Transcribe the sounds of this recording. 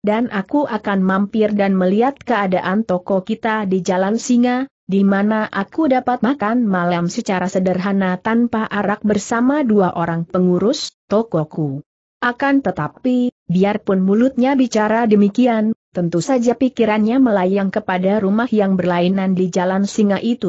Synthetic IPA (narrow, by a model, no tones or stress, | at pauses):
danʔakuʔakanmampɪrdanməliat̪̚kəadaʔant̪ɔkɔkit̪adid͡ʒalansiŋa | dimanaʔakudapat̪̚makanmalamsət͡ʃaɾasədərɦanat̪anpaʔaɾak̚bərsamaduaʔoɾaŋpəŋuɾʊst̪ɔkɔku | ʔakant̪ət̪api | biarpʊnmulʊt̪̚ɲabit͡ʃaɾadəmikiant̪ənt̪usad͡ʒapikiɾanɲaməlajaŋkəpadaɾumahjaŋbərlainandid͡ʒalansiŋaʔit̪u